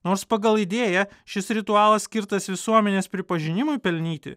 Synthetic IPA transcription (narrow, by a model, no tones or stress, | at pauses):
noːɾspɐɡɐlˠɪd̪ʲeːjɛʃʲɪsɾʲɪt̪ʊɑːlˠɐsʲkʲɪɾt̪ɐsʋʲɪsuɔmʲɛnʲeːspʲɾʲɪpɐʒʲɪnʲɪmʊɪpʲɛlʲnʲiːt̪ʲɪ̰